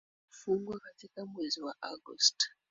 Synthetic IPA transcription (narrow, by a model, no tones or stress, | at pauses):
fuŋɡwakatikamweziwaʔaɡɔ̰st